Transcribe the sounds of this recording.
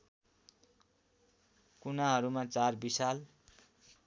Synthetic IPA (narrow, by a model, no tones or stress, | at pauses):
kunaɦʌɾumat͡sarbisal